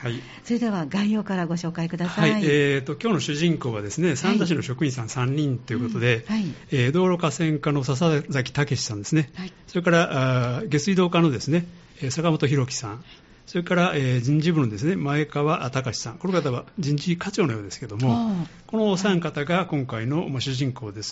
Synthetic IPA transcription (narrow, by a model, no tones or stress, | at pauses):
hai | soɾe̞d̪e̞βaɡãĩjoːkaɾaɡo̞ɕo̞ːkaikɯ̟d̪asaaiet̪ːo̞kʲo̞ːno̞ɕɨʑĩŋko̞ːβad̪e̞sɨne̞sãnt̪aɕ̬ino̞ɕo̞kɯ̟ĩsãñsãɲ̟ːĩnt̪o̞jɯko̞t̪o̞d̪e̞ː | d̪o̞ːɾo̞kasẽ̞ŋkano̞sas̬azakʲi̥t̪ake̞ɕi̥sãnd̪e̞sɨneso̞ɾe̞kaɾaʔaɡe̞t͡sɨid̪o̞ːkano̞d̪e̞sɨneː | sakamo̞t̪o̞çiɾo̞kʲi̥sã̰ŋ | soɾe̞kaɾaʔeːd͡ʑĩɲd͡ʑibɯ̟nod̪e̞s̬ɨne̞mae̞kaβaʔt̪akaɕi̥sãŋko̞nokat̪aβad͡ʑĩɲd͡ʑikat͡ɕo̞ːno̞joːd̪e̞sɨ̥ked̪o̞mo̞ | ko̞no̞sãŋkat̪aɡakõ̞ŋkaino̞maɕɨʑĩŋko̞ːd̪e̞sɨ̥